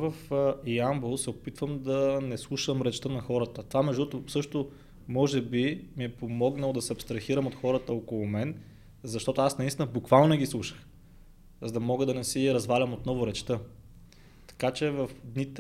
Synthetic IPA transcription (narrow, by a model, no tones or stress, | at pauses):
vəfjambulˠsɛopit̪vəmd̪ɐnɛslˠuʃəmɾɛt͡ʃt̪ənɐxɔɾət̪ət̪ovamɛʒd̪ɔt̪ʊsɤʃt̪ʊ | mɔʒɛbimiɛpomɔɡnəlˠod̪ɐsɛɐpst̪ɾɐxiɾəmot̪xɔɾət̪əɔkolˠʊmɛn | zɐʃt̪ɔt̪ʊasnɐinst̪inəbukvalˠnonɛɡislˠuʃə̥x | zɐd̪ɐmɔɡəd̪ɐnɛsiɾɐzvalʲɐmot̪̚nɔvʊɾɛt͡ʃt̪ə | t̪ɐ̥kat͡ʃɛvɐfd̪nit̪